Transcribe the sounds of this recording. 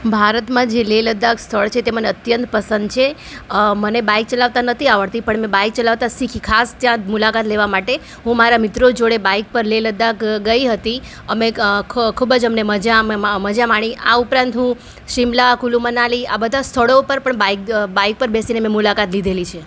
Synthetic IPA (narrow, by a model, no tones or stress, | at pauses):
bʱaɾət̪mãd͡ʒeleləd̪akst̪ʰəɭt͡ʃʰet̪eməneət̪jənt̪pəsənd̪̚t͡ʃʰe | mənebaik̚t͡ʃəlaʋt̪anət̪ʰiaʋəɽt̪ipəɳmẽbaik̚t͡ʃəlaʋt̪asikʰikʰast̪jãmulakat̪leʋamaʈe | ɦũmaɾamɪt̪ɾod͡ʒoɽebaik̚pəɾleləd̪akɡəiɦət̪i | əmekʰubd͡ʒəmneməd͡ʒamməd͡ʒamaɽ̃ia̰upɾãnt̪ɦũ | ʃimlakulũmənalia̰bəd̪ʱast̪ʰəɭopəɾpəɳbaikbaik̚pəɾbesinemẽmulakat̪lid̪ʱelit͡ʃʰe